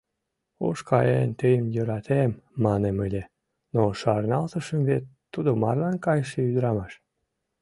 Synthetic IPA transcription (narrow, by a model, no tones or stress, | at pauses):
o̰ʃkɑjent̪əjəmjøɾɑt̪ʰemːɑneməlʲe | noʃɑrnɑlt̪əʃəmvet̪ːud̪omɑrlɑnkɑjəʃeyd̪əɾɑmɑʃ